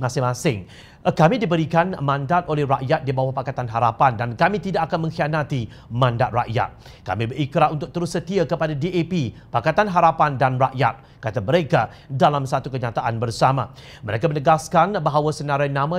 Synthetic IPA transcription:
masɪasɪŋ | kamĩdibəɾikanmãndat̪olɛhra̰ʔjat̪̚dibawahpakat̪anɦaɾapandankamĩt̪idaʔakanmə̃ŋxianat̪i | mãndaʔ̪̚ra̰ʔja̰t̪̚ | ka̰mĩbəɾikɾaunt̪ʊk̚t̪əɾʊsːət̪iakəpadadiʔepipakat̪anɦaɾapandanraʔja̰t̪̚ | kat̪aməɾeka | dalamsat̪ukəɲat̪aʔanbərsamã̰ | məɾekamənəɡaskanbaɦawasənaɾajnãmã

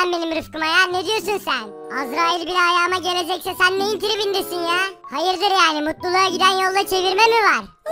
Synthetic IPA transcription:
nbe̞nimɾɯfkɯmajaɾned̪ijo̞ɾsunsæn | azɾaːilʲbilʲɛɦajaːɯmaɟe̞lʲe̞d͡ʒɛcsɛsænːejinciɾibind̪esinjɛːhajɯɾd̪ɯɾjaːnimut̪lˠulˠuaɟid̪ænjo̞lˠd̪at͡ʃʰe̞viɾmemivaɾ̥

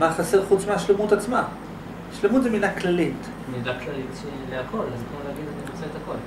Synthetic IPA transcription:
maχaseʁχut͡smeaʃlemut̪at͡sma | ʃlemut̪zemidaklalit | midaklalitʃeleakʰo̞lazkmoleaɡid̪aniut͡seet̪ako̞l

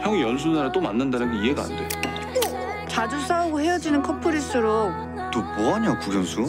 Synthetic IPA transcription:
çjʌŋijʌns̬ʰunaɾat͈omanːɯndanɯnɡeiɦe̞ɡaa̰ndeo | t͡ɕad͡ʑus͈ʰauɡohe̞jʌd͡ʑinɯnkʰʌpʰoɾis͈ɯɾok̚ | t͈omoɦaɲokuɡjʌnsʰu

